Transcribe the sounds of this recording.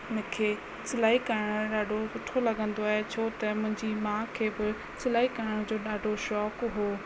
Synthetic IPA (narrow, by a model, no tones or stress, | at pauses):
mʊ̃kʰeː | sɪlaːikɐɾəɽ̃ɗaːɖʱosʊʈʰolɐɠə̃nd̪oaːɦet͡ɕʰoːt̪ɐmʊ̃ɦɪ̃ɲd͡ʑimãːkʰeːbɪ | sɪlaːikɐɾəɽ̃d͡ʑoːɗaːɖʱoʃɔːkɦoː